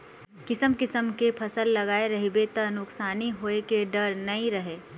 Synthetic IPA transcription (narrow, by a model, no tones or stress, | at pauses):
kɪsəmkɪsəmkepʰɐsəlːɐɡaːeɾɐɦibet̪ɐnʊksaːniɦoːekeɖɐɾnɐɦĩɾɐɦeː